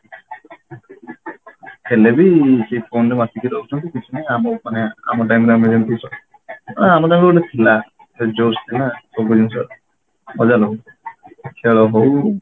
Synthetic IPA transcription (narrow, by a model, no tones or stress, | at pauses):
kelebisejpʰonɾemasikiɾɦowt͡ʃʰɔnt̪ikit͡ʃʰunejamɔmanea̰mɔʈ̬ajmɾemed͡ʒent̪isɔ | amɔʈajmɾebulet̪ʰila | ed͡ʒost̪ʰilasoɡud͡ʒinsɔɾ | ɔd͡ʒalɔ | kʰiɭɔɦow